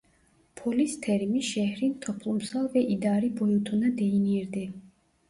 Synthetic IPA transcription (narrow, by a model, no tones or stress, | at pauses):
pʰɔlist̪ʰɛɾmiʃɛhɾint̪ʰɔpʰlˠumsalˠvɛʔid̪aɾibɔjut̪ʰunad̪ɛiniɾd̪ɛ